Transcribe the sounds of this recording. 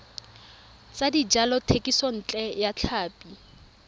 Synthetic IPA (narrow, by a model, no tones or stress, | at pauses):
t͡sadid͡ʒalɔtʰekʼisɔn̩ːt͡ɬʼɛjat͡ɬʰaːpʼi